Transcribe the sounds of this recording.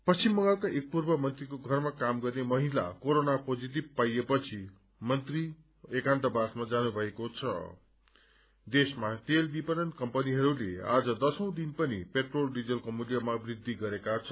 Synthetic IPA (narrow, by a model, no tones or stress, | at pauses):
pʌst͡simːʌŋɡʌlkaʔek̚purbʌmʌnt̪rikoɡʱʌrmakamɡʌrnemʌɦila̰koɾonapod͡zit̪̬ib̚pajepʌt͡sʰi | mʌnt̪ri | ekant̪ʌbasmad͡zanubʱʌekot͡sʰʌ̰ | d̪esmat̪elbipʌnʌnkʌmpʌniɦʌɾulea̰d͡zʌd̪ʌsʌ̃w̃d̪inpʌnipeʈrolɖid͡zʌlkomuljʌmabrid̪ʱːiɡʌɾekat͡sʰʌ